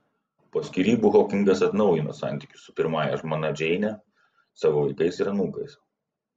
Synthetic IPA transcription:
poːsʲkʲiːɾʲiːbuːɦoːkʲɪŋɡɐsɐt̪nɒʊjɪno̰ːsɑ̰ˑnʲt̪ʲɪkʲʊ̥sʊpʲɪɾmɑːjɛʒmoːnɐd͡ʒʲɛɪnʲɛ | sɑːʋoːʋɐɪkɐɪsiɾɐnuːkɐɪs

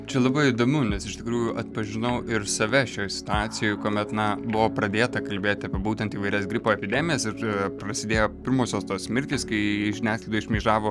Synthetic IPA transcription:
t͡ʃʲɛlˠɐbɐɪid̪oːmʲʊnʲɛsɪʃt̪ʲɪkɾuːjʊʔɐt̪̚pɐʒʲɪnɐʊʔɪrsɐʋʲɛʃʲoːjsʲɪ̥t̪ʊɑːt̪sʲɪjoːjkoːmʲɛt̪nɐbʊʋoːpɾɐd̪ʲeːt̪ɐkɐlʲbʲeːt̪ʲɐpʲeɛbuːt̪ʲɛnt̪iːʋɐɪɾʲɛsɡɾʲɪpoːɛpʲɪd̪ʲɛmʲɪjɛsɪrpɾɐsʲɪd̪ʲeːjoːpʲɪɾmoːsʲoːst̪oːsmʲɪɾʲt̪ʲiːskɐɪʒʲɪnʲæːsklˠɐɪd̪ɔɪʃʲmʲiːʒɑːʋoː

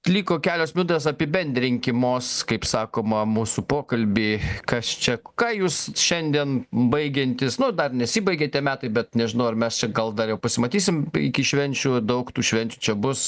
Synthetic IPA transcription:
lʲiːkoːkʲæːlʲoːsmʲʊːd̪ʲeːs̬ɐpʲɪbʲɛnʲd̪ʲɾʲɪŋʲkʲɪmoːskɐɪpsɑːkoːmɐmuːsupoːkɐlʲbʲiːkɐst͡ʃʲɛkɑːjuːsʃʲɛnʲd̪ʲiɛnbɐɪɡʲɛnʲt̪ʲɪsnʊd̪ɐrnʲɛsʲiːbɐɪɡʲeːt̪ʲiɛmʲæːt̪ɐɪbʲɛt̪nʲɛʒʲɪnɐʊɐrmʲɛst͡ʃʲɛɡɐlˠd̪ɐrjɛʊpɐsʲɪmɐt̪ʲiːsʲɪmɪ̰kʲɪʃʲʋʲɛnʲt͡ʃʲud̪ɐʊkt̪uːʃʲʋʲɛnʲt͡ʃʲut͡ʃʲɛbʊs

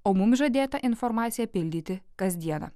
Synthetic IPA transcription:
oːmʊmʒɐd̪ʲeːt̪ɐʔɪnfɔɾmɑːt̪sʲɪjɛpʲɪlʲd̪ʲiːt̪ʲɪkɐsʲd̪ʲiɛnɐ̰

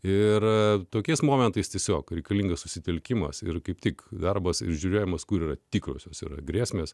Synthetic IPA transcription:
ɪrt̪oːkʲɛɪsmoːmʲɛnt̪ɐɪst̪ʲiɛsʲoːkɾʲɛɪkɐlʲiŋɡɐssʊsʲɪt̪ʲɛlʲkʲɪmɐ̰sɪ̰rkɐɪpt̪ʲɪkd̪ɐrbɐsɪ̰ɾʒʲuːɾʲoːjɛmɐskʊɾiːrɐt̪ʲiːkɾo̰ːsʲoːsḭːɾɐ̰ɡɾʲeːsʲmʲeːs

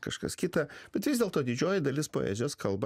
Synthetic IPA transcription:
kɐʃkɐ̰skʲɪt̪ɐbʲɛt̪ʋʲɪzʲdʲeɛlˠt̪oːd̪ʲɪd͡ʒʲoːjɪd̪ɐlʲɪspo̰ːɛ̰zʲoːskʰɐlˠb

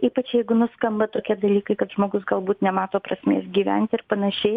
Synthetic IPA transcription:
iːpɐt͡ʃʲjɛɪɡʊnʊskɐmbɐt̪oːkʲiɛd̪ɐlʲiːkɐɪkɐt̪ʒmoːɡʊsɡɐlˠbuːt̪nʲɛmɑːt̪oːpɾɐsʲmʲḛːsɡʲiːʋʲɛnʲt̪ʲɪrpɐnɐʃʲɛɪ

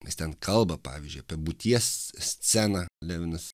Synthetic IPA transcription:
ɪst̪ʲɛnkʰɐlˠbɐpɑ̰ːʋʲizʲd͡ʒʲʊɪɐpʲiɛbʊt̪ʲiɛssʲt͡s̪ʲæːnɑlʲæːʋʲɪnɐs

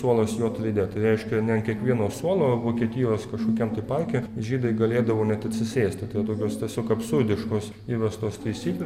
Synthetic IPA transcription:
suɔlˠɐsjoːt̪ɾʲɪd̪ʲet̪ɐɪɾʲɛɪʃʲkʲɛnʲɛnkʲiɛkʋʲiɛnoːsuɔlˠoːʋoːkʲiɛt̪ʲɪjoːskɐʃkoːkʲɛmt̪ɐɪpɐrʲkʲɛʒʲiːd̪ɐɪɡɐlʲeːd̪ɐʋoːnʲɛt̪ɐt̪ʲsʲɪsʲeːsʲt̪ʲɪt̪ɐɪɐt̪oːkʲoːst̪ʲiɛsʲoːkɐpsʊrʲd̪ʲɪʃkoːs | iːʋʲɛst̪oːst̪ɐɪsʲiːklʲ

